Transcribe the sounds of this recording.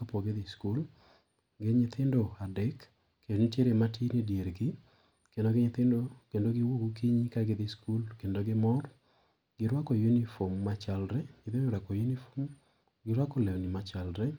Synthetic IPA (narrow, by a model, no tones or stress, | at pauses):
kapoɡeðɪskul | ɡɪɲɪt̪ʰɪndoadɛk | kːedonitjeɾematʰinidjeɾɡɪ | kendoɡɪɲɪt̪ɪndokendoɡɪwokukiɲikaɡɪðɪskulkendoɡɪmɔɾ | ɡɪɾwakɔjunifɔmːat͡ʃalɾɛɲɪt̪ɪnɾakɔjunifo̥m | ɡɪɾwakɔlɛwnɪmat͡ʃalɾɛ